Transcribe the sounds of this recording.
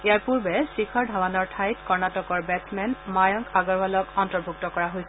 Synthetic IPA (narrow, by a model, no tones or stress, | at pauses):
ejaɹpuɹbɛsikʰɔɹdʱawanɔɹtʰajtkɔɹnatɔkɔɹbɛsmɛnmajɔŋkaɡɔɹbalɔkɔntɔɹbʱuk̚tɔkɔɹaɦojsɛ